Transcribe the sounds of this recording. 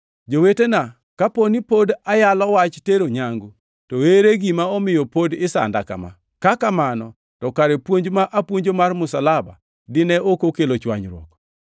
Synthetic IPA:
d͡ʒowetena | kaponipodajalɔwat͡ʃteɾoɲaŋɡu | toeɾeɡimaɔmɪjɔpodɪsa̰ndaka̰ma̰ | kakamanɔ | tɔkaɾepwoɲd͡ʒmaʔapwoɲd͡ʒomarmʊsalaba̰ | dɪnɛʔokokelot͡ʃwa̰ɲɾwɔ̰kɔ̥

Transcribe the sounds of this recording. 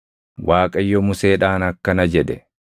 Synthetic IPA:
wʔaːkʼɐjːɔmʊse̞ːᶑaːnɐkːɐnɐd͡ʒɛᶑ̪ɛ

